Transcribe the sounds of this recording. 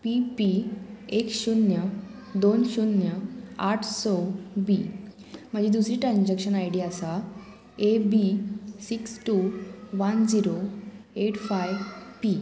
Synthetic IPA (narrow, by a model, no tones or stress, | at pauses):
pipiekɕunjə | d̪onɕunjəaʈʰsɔbi | m̤əd͡ʑiːd̪usɾiːʈɾãnd͡ʑakɕənajɽiasa | ebisiksʈuʋənd͡ziɾoeʈfajʋpi